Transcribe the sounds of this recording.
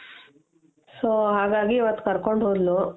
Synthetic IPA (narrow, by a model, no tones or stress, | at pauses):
soːɦaːɡaːɡiʋɐt̪ːkɐɾkoɳɖɦoːd̪lu